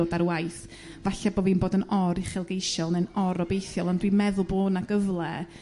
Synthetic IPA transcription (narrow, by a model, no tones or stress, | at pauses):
oːdaɾwajθ | vaɬɛboːvinboːdənɔɾiχɪlˠɡejʃɔlˠnɛnɔɾɔbejθjɔlˠɔndwimɛðʊlˠboːnaɡəvlˠɛ